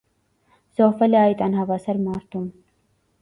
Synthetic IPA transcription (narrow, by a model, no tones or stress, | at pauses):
z̥ɔhfɛlɛajt̪ʼɑnɦɑvasaɾmɑɾt̪ʰum